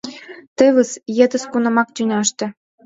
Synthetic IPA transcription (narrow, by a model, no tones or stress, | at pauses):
t̪ɘ̆βə̆sjĕd̪ə̆skunɤ̆mɑk̚t̪ʲynʲɑʃt̪ɤ̆